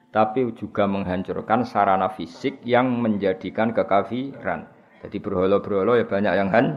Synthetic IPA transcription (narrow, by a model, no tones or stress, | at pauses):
t̪apid͡ʒuɡ̥a̤məŋɦaɲt͡ʃʊ̰rkansaɾanafisɪk̚jaŋməɲd͡ʒad̥i̤kankəkafiɾa̰n | d͡ʒ̥ad̪̥ib̥ərɦolɔb̥əɾɦolɔjab̥a̤ɲakjaŋɦan